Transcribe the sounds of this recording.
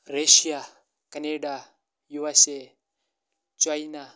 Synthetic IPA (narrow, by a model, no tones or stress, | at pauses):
ɾeʃia | kaneɖa | juwase | t͡ʃajna